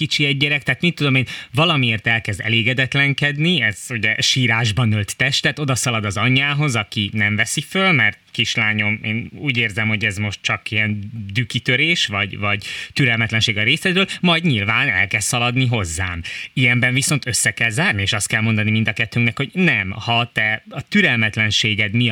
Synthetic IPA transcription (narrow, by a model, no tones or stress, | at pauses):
kit͡ʃiɛɟːɛɾɛk̚t̪aːt̪mit̪ːud̪o̞meːnvɒlɒmieːrt̪ɛlkɛzd̪ɛ̰leːɡɛd̪ɛt̪lɛŋkɛd̪niɛz̥uɟɛʃiːɾaːʒbɒnølt̪ːɛʃt̪ɛt̪o̞d̪ɒsɒlɒd̪ɒzɒɲːaːɦo̞zɒkinɛɱvɛsifølmɛrt̪̚kiʃlaːɲo̞meːnuːɟeːrzɛmho̞ɟɛzmo̞ʃt̪̚t͡ʃɒkijɛnd̪ykit̪øɾeːʃʋɒɟvɒɟt̪yɾɛlmɛt̪lɛnʃeːɡɒɾeːsɛd̪ɾøːlmɒjdɲilvaːnɛ̰lkɛzssɒlɒd̪niɦo̞zːaːmijɛmbɛɱviso̞nt̪ø̞sːɛkɛlzaːrnieːʃɒst̪̚kɛlmo̞nd̪ɒnimind̪ɒkɛt̪ːyŋknɛkho̞ɟnɛmhɒt̪ɛɒt̪yɾɛlmɛt̪lɛnʃeːɡɛd̪mi